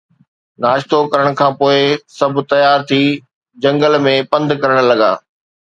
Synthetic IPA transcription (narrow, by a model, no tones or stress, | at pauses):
naːʃt̪okɐɾəɽ̃̆kʰãːpoːɪsɐbʱt̪ɐjaːɾt̪ʰiː | d͡ʑɐ̃ŋɡəlmẽpɐ̃nd̪kɐɾəɽ̃̆lɐɡa̰ː